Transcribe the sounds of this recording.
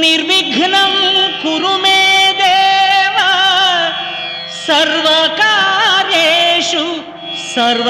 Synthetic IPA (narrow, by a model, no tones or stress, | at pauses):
niɾʋiɡʱnɐmkuɾumeːd̪eːʋɐ | sɐɾʋɐkaːɾeːʃu | sɐɾʋ